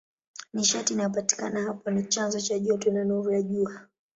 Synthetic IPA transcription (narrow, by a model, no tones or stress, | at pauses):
niʃatinajɔpati̥kanaɦapɔnit͡ʃanzɔt͡ʃaʄɔtɔnanuɾujaʄua